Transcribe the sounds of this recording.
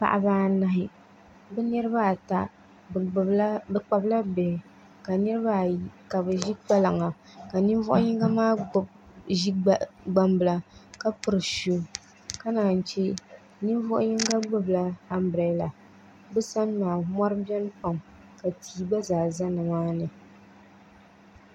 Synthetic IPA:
pa̰˨ʔa˦baː˦na˦ɦɪ˦ | bɛ˦nɛ˦ɾɨ˦ba˦˨ta˨˦ | bɨ˦k͡pa˨bla˦bɛ˨ | ka˨nɛ˦ɾba˦ka˨bɨ˨ʒi˦k͡pa˦la˨ŋa˨ | ka˨ni˦nvɔ˦ʔʊ˦ɲi˦ŋɡa˦maː˦ʊ˨b | ʒi˦˨ɡ͡ba˦mbɨ˨la˨ka˦pɨ˨ɾɨ˨ʃu˦ | ka˦naː˨n̩˨t͡ʃɛ˦ | ni˦nvɔ˦ʔʊ̰˦ɲi˦ŋ˦ɡa˦ɡ͡bɨ˦bla˨a˦mbɾɛ˨jla˨ | bɛ˦sa˦nːaː˨ma˦ɾɨ˦bɛ˦n˦pa˨m | ka˨tʰiː˨ba˦zaː˨za˦nɨ˨maː˦nɨ˨

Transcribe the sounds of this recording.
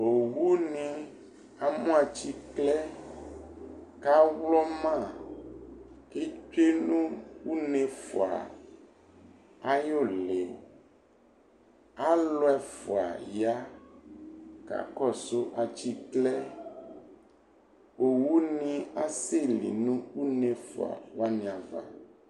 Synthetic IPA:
o˨wu˦nĩ˨ | a˨mũ˦a˨t͡ɕi˦klɛ˦ | ka˦wlɔ˦mã˦˨ | e˦t͡ʃe˦nũ˦wu˦nẽ˨fo̰˨a̰˨ | a˦jo˦˨le˨o˨ | a˦lɔ˦ɛ˨fo˨a̰˨ja˦ | ka̰˨kɔ˦˨so˦ʔa˨t͡ʃi˦klɛ˦ | wo˨wu˦nĩ˦a˦se˦˨lḭ˨nũ˦u˦nẽ˨fo̰˨a̰˨wa˦nĩ˨a˨va̰˨

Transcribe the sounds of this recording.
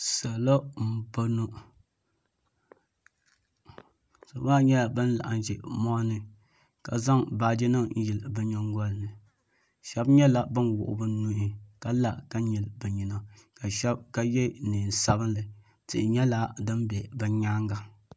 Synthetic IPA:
sa˨lo˦m̩˨bo˦nu˦ | sa˨˦ma˦ɲɛ˦a˨bɨ˦n˦la̰˨ʔa̰˨n˨d͡ʒɛ˨mɔ˦nɨ˨ | ka˨za˦ŋbaː˨d͡ʒi˦nɨ˦ŋn̩˦ji˨lbɨ˨ɲo˦ŋɡɔ˦lnɨ˨ | ʃɛ˦bɲɛ˦la˦bɨ˦nwʊ̰˨ʔʊ̰˨bɨ˦nu˦i˦ka˨la˨ka˦ɲi˨lbɨ˨ɲi˨na˦˨ka˨ʃɛ˦b̚ka˦jɛ˦nɨː˨n˨sa˦bɨ˦n˦lɨ˨ | tɨ̰˨ʔɪ˨ɲɛ˦la˦dɨ˦m˦bʲɛ˨bɨ˨ɲaː˦ŋɡa˨

